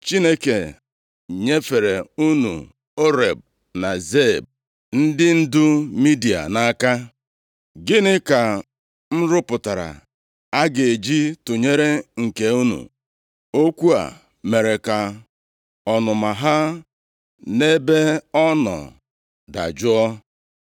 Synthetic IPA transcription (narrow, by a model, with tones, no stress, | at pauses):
t͡ʃi˦ne˦ke˨ | ɲe˦fe˨ɾe˨u˦nṵ˨ | o˦ɾe˨b̚ | na˨ze˦˨b̚ | n̩˦dɪ˦n̩˦dʊ˦mi˦di˨a̰˨na˦ka˦ | ɡɪ˦nɪ˦ka˨ | n̩˦ɾʊ˦pʊ˨ta˨ɾa̰˨ | a˦ɡe˨e˨d͡ʒi˦tʊ˨ɲe˦ɾe˦ŋ̩˨ke˨u˦nṵ˨ | o˦kʷu˦a̰˨ | me˨ɾe˨ka˨ | ɔ˨nʊ˨ma˨ɦa˦ | ne˦be˦ɔ˦nɔ̰˨ | da̰˨d͡ʒʊ˦ɔ˦